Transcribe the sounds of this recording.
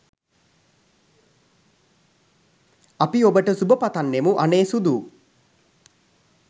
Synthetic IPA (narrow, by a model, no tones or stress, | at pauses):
apiobəʈəsubəpat̪anːemuʔaneːsud̪uː